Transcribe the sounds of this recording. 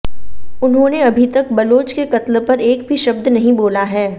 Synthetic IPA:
ʊnɦõːneɐbʱit̪ɐk̚bɐloːt͡ʃkekɐt̪lpɐɾeːk̚bʱiʃɐb̚d̪nɐɦĩboːlaɦɛː

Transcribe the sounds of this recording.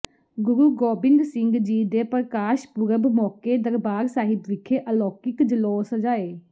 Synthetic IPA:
ɡʊɾuːɡoːbɪŋɡsɪŋɡd͡ʒiːd̪eːpəɾkaːʃpʊɾəbmɔːkeːd̪əɾbaːɾsaːɦɪt̪ʋɪkʰeːʔəlɔːkɪkd͡ʒəloːsd͡ʒaːeː

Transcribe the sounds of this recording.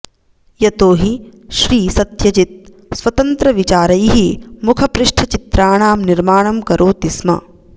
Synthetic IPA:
jɐt̪oːɦiʃɾiːsɐt̪jɐd͡ʒit̪̚ | sʋɐt̪ɐnt̪ɾɐʋit͡ʃaːɾɐjɦimukʰɐpɾɪʂʈʰɐt͡ʃit̪ɾaːɳaːmniɾmaːɳ̃ɐmkɐɾʔoːt̪ismɐ̰

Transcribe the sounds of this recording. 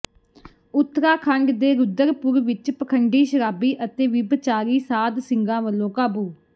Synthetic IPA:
ʊt̪ːɾaːkʰəŋɡd̪eːɾʊd̪əɾpʊɾʋɪt͡ʃpəkʰəɳɖiːʃəɾaːbiːʔət̪eːʋɪbt͡ʃaːɾiːsaːd̪sɪŋɡãːʋəlːõːkaːbuː

